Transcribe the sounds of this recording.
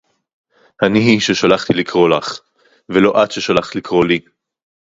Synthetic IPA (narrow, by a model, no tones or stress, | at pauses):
haniɦiʃeʃalaχt̪ilikʁo̞laχ | velo̞ʔatʃeʃalaχt̪likʁo̞li